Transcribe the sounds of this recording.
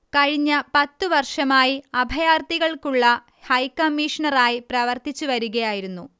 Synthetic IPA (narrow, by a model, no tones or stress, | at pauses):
kɐɻiɲːɐpɐt̪ːuʋɐrʂɐmaːjiɐbʱɐjaːrt̪iɣɐɭkuɭːɐ | hɐjkɐmːiːʂɐɳɐraːjiprɐʋɐrt̪it͡ɕːuʋɐɾuɣɐjaːjiɾunːu